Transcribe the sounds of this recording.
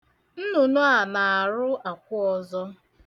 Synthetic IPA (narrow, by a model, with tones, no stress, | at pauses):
n̩˦nu˨nʊ˦a˨na˨a˨ɾʊ˦a˨kʷʊ˦ɔ˦zɔ˦